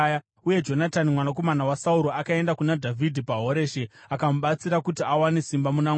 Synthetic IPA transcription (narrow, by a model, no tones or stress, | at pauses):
uje̞d͡ʒo̞natanimwanak̬o̞manawasauɾoakae̞ndakunadʱavʱidʱipaɦo̞ɾe̞ːʃeakamuɓat͡siɾakutiawane̞simbamuna